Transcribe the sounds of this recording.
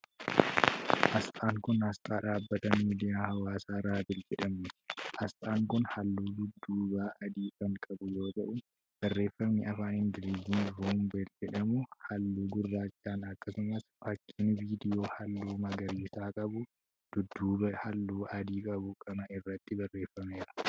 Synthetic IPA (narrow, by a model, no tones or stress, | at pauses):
hɐst̪ʼaːŋkʊnhɐst̪ʼaːᶑaːbːɐt̪ɐmiːd̪ɪjaːhɐwaːsaːɾaːbɪld͡ʒɛᶑɐmnɪhɐst̪ʼaːŋkʊnhɐlːuːd̪ʊd̪ːuːbaːʔɐd̪iːkʼɐŋkʼɐbʊjo̞ːt̪ɐʔʊ | b̥ɐrːe̞ːfːɐmnɪɐfaːnɪnd̪ɪlid͡ʒinɾuːmbeːld͡ʒɛᶑɐmʊhɐlːuːɡʊrːaːt͡ʃːaːnɐkːɐsʊmɐsfɐkʰːinviːd̪ɪjo̞ːhɐlːuːmɐɡɐɾiːsaːkʼɐbʊ | d̪̥ʊd̪ːuːbɐhɐlːuːʔɐd̪iːkʼɐbʊkʰʼɐnɐɪrːɐt̪ːɪbɐrːe̞ːfːɐmeːɾɐ̥